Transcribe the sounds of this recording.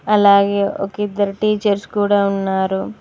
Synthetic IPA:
ɐlaːɡe̞ːʔo̰kid̪ːɐɾuʈiːt͡ʃɐɾskuːɽaːunːaːɾu

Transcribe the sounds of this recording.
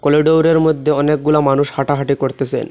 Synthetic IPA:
kɔliɖowɾeɾmod̪ʱːeɔnek̚ɡulamanuʃhaʈaɦaʈikoɾt̪et͡ɕʰḛn

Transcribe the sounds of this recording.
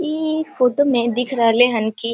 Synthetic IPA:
ifoːʈomẽd̪ɪkʰɾaːleɦənki

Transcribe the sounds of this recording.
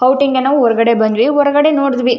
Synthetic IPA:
ɐwʈiŋɡenaːʋuɔɾɐɡɐɽebɐnd̪ʋiɦɔɾɐɡɐɽenoːɽd̪ʋi

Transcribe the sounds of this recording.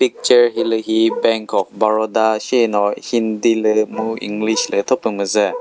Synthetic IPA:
pik̚t͡ʃəɹɦilɯɦibɛŋkʰɔk̚baɹɔdasinɔhindilɯmuḭŋɡlislət̪ʰɔpɯŋməzə

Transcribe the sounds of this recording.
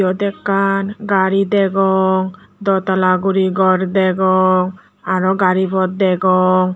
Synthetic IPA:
ɔd̪ɛkːanɡaɾid̪ɛɡɔŋd̪ɔt̪alaɡuɾiɡɔɾd̪ɛɡɔŋ | aɾɔɡaɾipɔt̪̚d̪ɛɡɔŋ

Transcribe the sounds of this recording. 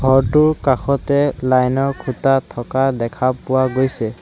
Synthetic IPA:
ɡʱɔɹtʊɹkaxʰɔtɛlajnɔɹkʰutatʰːɔkadɛkʰapʊwaɡojsɛ

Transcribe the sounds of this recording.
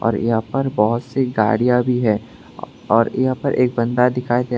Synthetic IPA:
ɔ̰ːɾjɐɦãpɐɾbɔɦʊt̪seɡa̰ːɽijabʱiɦɛː | ɔːɾɐɦãpɐɾʔeːk̚bɐ̃nd̪ad̪ɪkʰaːit̪e

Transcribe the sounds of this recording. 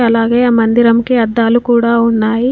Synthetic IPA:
ɐlaːɡeːɐmɐnd̪iɾɐmkiɐd̪ːaːlukuːɽaːunːaːji

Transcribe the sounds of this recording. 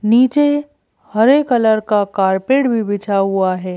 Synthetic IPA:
niːt͡ʃe | hɐɾeːkɐləɾkakaːɾpeːʈbʱibɪt͡ʃʰaɦuaɦɛː

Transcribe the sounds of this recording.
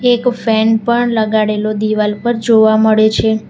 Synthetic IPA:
ekfɛnpəɳləɡaɽelod̪iʋalpəɾd͡ʒoʋaməɭet͡ʃʰe

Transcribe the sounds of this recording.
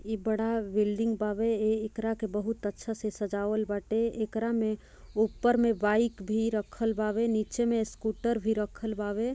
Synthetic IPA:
ibəɽ̤abilɖiŋɡpabeeːkɾakebəɦut̪ətːʃʰasesəd͡ʒaʋəlbaʈeekɾame | upːəɾmebaikbʱiɾəkʰəlbabenit͡ʃemeskuʈəɾbʱiɾəkʰəlbabe

